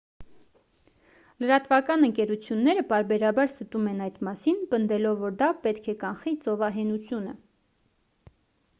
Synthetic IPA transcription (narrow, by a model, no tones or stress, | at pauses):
ləɾɑt̪vɑkɑnəŋkɛɾut͡sʰjunːɛɾəpɑɾbɛɾɑbɑɾsət̪umɛnɑjd̪mɑsinpənd̪ɛlɔvːɔɾd̪ɑpɛt̪kʰɛkɑnχit͡sɔvɑɦɛnut͡sʰjunə̰